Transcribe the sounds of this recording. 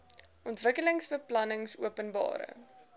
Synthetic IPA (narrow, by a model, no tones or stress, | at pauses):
ʔɔntvəkələŋsbəplɐnəŋsuəpənbɑ̰ːɾə̰